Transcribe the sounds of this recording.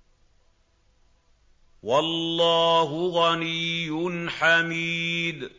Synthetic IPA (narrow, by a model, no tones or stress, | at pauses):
wɑlːɑːɦʊɣanijʊnħamiːd̪